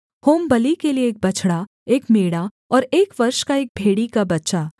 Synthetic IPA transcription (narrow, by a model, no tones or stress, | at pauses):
hoːmbɐlikelieeːk̚bɐt͡ʃʰɽa | eːkmeːɽa | ɔːɾeːkʋɐɾʃkaeːk̚bʱeːɽikabɐtːʃa